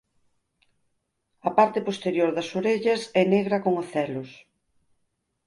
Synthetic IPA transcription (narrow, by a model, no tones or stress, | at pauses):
ɐpaɾt̪epost̪eɾjoɾðɐsoɾeʎɐsɛneɣɾɐkoŋaθɛlʊs